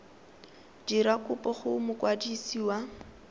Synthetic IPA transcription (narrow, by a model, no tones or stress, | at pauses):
diɾakʊpɔχʊmʊkwadisiːwa